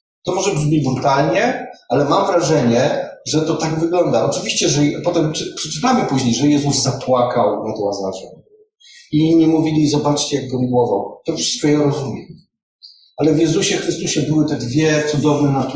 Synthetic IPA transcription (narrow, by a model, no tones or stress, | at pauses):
t̪ɔmɔʐɛbɘd͡ʑbɘd͡ʑbut̪alɲɛalɛmamvɾaʐɛɲɛʐɛt̪ɔt̪aɡvɘɡlɔnd̪aʔɔt͡ʂɘvʲiɕt͡ɕɛʐɛpɔt̪ɛmppʂɛ̥t͡ʂɘ̥t̪amɘpuʑɲejʐɛjɛzuzzapwakawmɛd̪wazaʒɛ̰m | iɲɛmuvʲilʲizɔbat͡ʂt͡ɕjaɡɡɔmɡwɔva̰wt̪ɔfʂɨ̥st̪kɔjɛɾɔzumʲjɛ | ʔalɛvjɛzuɕɛxɾɘst̪uɕɛbɘwɘt̪ɛd̪vʲjɛt̪sud̪ɔvnɛnat̪